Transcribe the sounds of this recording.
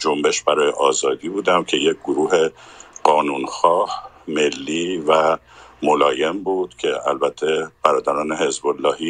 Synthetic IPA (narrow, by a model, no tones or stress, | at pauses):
d͡ʒo̞mbe̞ʃbæɾɒːjeʔɒːzɒːd̪iːbuːd̪æmcʰe̞jec̚ɡoɾuːɦe̞ɢɒːnuːnxɒːh | me̞lːiːvæ | mo̞lɒːje̞mbuːd̪̥cʰe̞æ̰lbæt̪ʰːe̞b̥æɾɒːd̪æɾɒːne̞he̞zbo̞lːɒːhiː